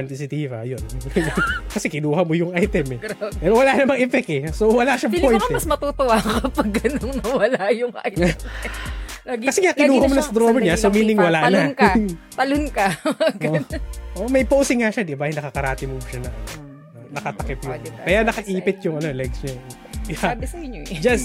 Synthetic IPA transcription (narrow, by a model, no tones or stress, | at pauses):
ɐnt̪isɪt̪iːvɐ̰jon | kɐsɛkɪnuːhɐmojʊŋʔajt̪ɛmɛɛɾowɐlanɐmɐɡʔɪfɛkɛsowɐlaʃɐmpojnmɐsmɐt̪ut̪owakɐpɐɡːɐnoŋnɐwɐlajʊŋʔa̰j | ɡkɐsɛŋakɪnuːhɐnmonɐsɐɐd̪ɾoːmɐɲasomiːnɪŋwɐlanɐnk | pɐlʊnkɐaɡɐʔoʔmɐjpowsɪŋaʃad̪ɪbajnɐkɐkɐɾaːt̪ɪmoʃanɐʔ | nɐkɐt̪ɐkɪpjʊŋkɐjanɐkɐʔiːpɪt̪̚jʊŋɐno̞lɛɡsɲa | jabɪsɐɪod͡ʒɐs